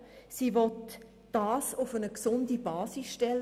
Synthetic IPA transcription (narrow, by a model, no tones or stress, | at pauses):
siʋɔt | d̥ɑːsʊfənəksʊndibɑːsisʃtɛlː